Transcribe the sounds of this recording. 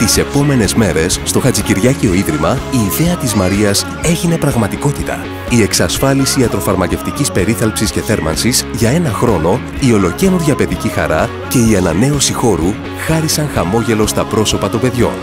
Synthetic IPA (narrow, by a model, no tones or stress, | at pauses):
t̪ise̞po̞me̞ne̞zme̞ɾe̞sːt̪o̞xɐt͡siciɾʝɐcio̞iðɾimɐiːðe̞ɐt̪izmɐɾiɐs | e̞ʝine̞pɾɐɣmɐt̪iko̞t̪it̪ɐ̰ | ie̞ksɐsfɐlisiɐt̪ɾo̞fɐɾmɐce̞ft̪icispe̞ɾiθɐlpsisce̞θe̞ɾmɐ̰nsisʝɐe̞nɐxɾo̞no̞ | io̞lo̞ce̞nuɾʝɐpe̞ðicixɐ̰ɾɐ | ce̞iɐnɐne̞osixo̞ɾu | xɐɾisɐŋxɐmo̞ʝe̞lo̞st̪ɐpɾo̞so̞pɐt̪o̞be̞ðʝo̞̰n